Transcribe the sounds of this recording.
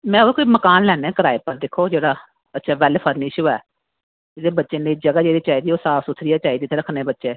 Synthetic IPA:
mɛ̃ːokoiːməkaːnlɛːneɛ̃ːkəɾaːepəɾd̪eːkʰoːd͡ʒeːɽaː | ətːʃʰɛːʋɛːleːpʰəɾnɪʃoːɛː | ɪd̪eːbətːʃeːleːd͡ʒəɡaːd͡ʒeːɽiːt͡ʃaːid̪iːoːsaːfsʊt̪ʰɾijaːt͡ʃaːiːd̪iːt̪ʰeːɾəkʰneːbətːʃeː

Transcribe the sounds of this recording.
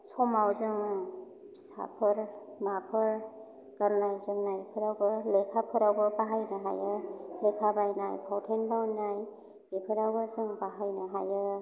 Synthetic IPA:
sɔmawzɯŋ | sa̰pʰɯɾ | mapʰɯɾ | kaɾnajzɯŋnajpʰɯɾawbɯlekʰapʰɯɾawbɯbaɦajnɯɦa̰jɯlekʰabajnajpʰawtʰenbawnaj | ipʰɯɾawbɯzɯŋbaɦajnɯɦajɯ

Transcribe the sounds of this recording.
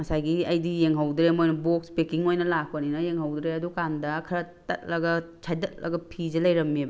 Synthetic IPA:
mɐsajɡiɐjdijeŋɦawdɾemojnɐbokspekiŋojnɐlak̚pɐninɐjeŋhawdɾeɐdukandɐkʰɐɾɐtɐ̰t̚lɐɡɐ | t͡ʃʰajtɐt̚lɐ̰ɡɐpʰizɐlɐjɾɐmːeb

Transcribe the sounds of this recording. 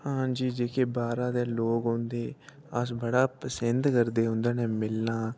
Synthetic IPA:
hãːd͡ʒiːd͡ʒeːkeːbaːɾaːd̪eːloːɡɦõnd̪eː | əsbəɽaːpəsənd̪kəɾd̪eːɦʊ̃nd̪aːnẽːmɪlnaː

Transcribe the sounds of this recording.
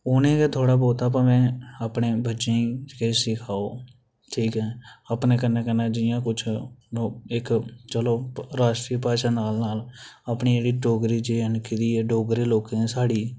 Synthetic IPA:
ʊnẽːket̪ʰoːɽaːboːt̪aːp̬əmɛ̃ːəpneːbətːʃẽːĩd͡ʒkəːsɪkʰaːoː | ʈʰiːkɦɛːəpneːkənːeːkənːãːd͡ʒɪjãːkʊt͡ʃʰoɪkt͡ʃəloːɾaːʃʈɾiːpaːʃaːnaːlnaːləpniːeːɽiːɖoːɡɾiːd͡ʒeənkɪd̪iːeɖoːɡɾiːloːkẽsaːɽiː

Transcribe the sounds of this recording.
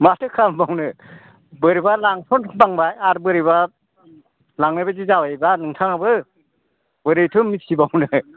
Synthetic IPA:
matʰɯkʰambawnɯ | bɯɾibalaŋtʰɔntʰbaŋbajaɾbɯɾiba | laŋnɯbazizawejbanɯŋtʰaŋabɯ | bɯɾɯjtʰɯmisʰibawnɯ

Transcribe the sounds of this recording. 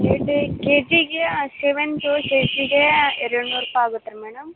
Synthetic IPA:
keʈikeːd͡ʒiɡeseʋent̪useːd͡ʒiɡeɛɾɐɽnuːɾupːejaːɡut̪ːɐɾemɛːɽɐm

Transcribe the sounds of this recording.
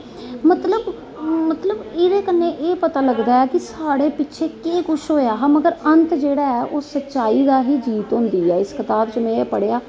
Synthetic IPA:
mət̪ləb | mət̪ləbɪɾeːkənːẽːʔeːpət̪aːləɡd̪aːɛːkɪsaːɽeːpɪtːʃʰeːkeːkʊʃʰɦoːjaːɦməɡəɾənt̪d͡ʒeːɽaːɛːʔoːsətːʃaːiːd̪aːɦiːd͡ʒiːt̪ɦõːnd̪iːɛːɪskɪt̪aːbd͡ʒəmẽːpəɽeːaː

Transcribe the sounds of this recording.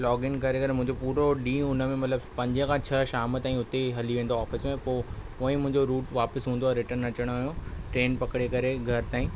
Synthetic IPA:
lɔːɡɪnkɐɾekɐɾemʊ̃ɦɪ̃ɲd͡ʑopuːɾoɗĩːʊnə̆mẽmɐt̪ləbpɐ̃ɲd͡ʑə̃kʰãt͡ɕʰɐʃaːmət̪ãːĩʊt̪eɦɐliʋẽːn̆d̪oɔːfɪsmẽpoː | ʊːĩmʊ̃ɦɪ̃ɲd͡ʑoɾuːʈʋaːpəsɦũːnd̪oɾɪʈənɐt͡ɕəɽ̃oaːɦjõʈɾeːnpɐkɪɽekɐɾeɡʱɐɾt̪aːĩː

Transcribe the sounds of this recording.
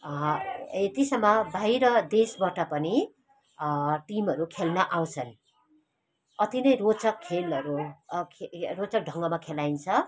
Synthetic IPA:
et̪isʌmːʌbʱajɾʌd̪esbaʈʌpʌni | ʈimʌɾukʰelnʌʔaw̃t͡sʰʌn | ʌt̪inʌjrot͡sʌkʰːelʌɾukʰrot͡sʌk̚ɖʱʌŋɡʌmakʰelajnt͡sʰʌ

